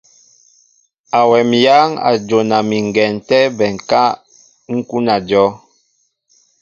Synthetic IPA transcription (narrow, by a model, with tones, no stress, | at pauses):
a˨wɛ˨mja˦ŋa̰˨d͡ʒo˨na˨mi˨ŋ˨ɡɛ˨n˨tɛ˦bɛ˨ŋ˨ka˦ | ŋ̩˦ku˦na˨d͡ʒɔ˦